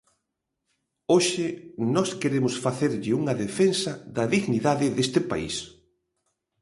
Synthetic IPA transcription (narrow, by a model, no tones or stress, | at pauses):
oʃɪnɔskeɾemʊsfaθeɾʎɪuŋɐðefensɐðɐðiɣniðaðɪðest̪ɪpa̰ḭs